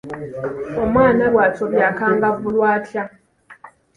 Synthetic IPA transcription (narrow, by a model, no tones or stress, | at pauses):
omwaːnalwaːt͡soβjakaːŋɡavulwaːtja